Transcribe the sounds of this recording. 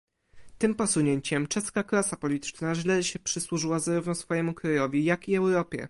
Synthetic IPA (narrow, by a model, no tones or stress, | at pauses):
t̪ɘmpɔsuɲeɲt͡ɕɛmt͡ʂɛskaklasapɔlʲit̪ɘ̥t͡ʂnaʐlɛɕɛpʂɘswuʐɘwazaɾuvnɔsfɔjɛmukɾajɔvʲijakiɛwɾɔpʲjɛ̰